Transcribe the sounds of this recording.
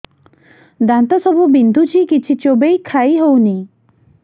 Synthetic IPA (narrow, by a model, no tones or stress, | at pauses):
d̪ant̪ɔsɔbubind̪ʱut͡ʃʰikit͡ʃʰit͡ʃobejkʰajɦowni